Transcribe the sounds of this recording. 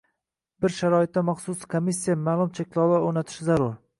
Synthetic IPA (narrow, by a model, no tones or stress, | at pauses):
b̥ɪɾʃaɾɒɪt̪̚d̪amaχsʊskʰomisːijamaːlˠʊmt͡ʃʰekʲlˠɒwaonat̪ʰɪ̥ʃɪzaɾʊɾ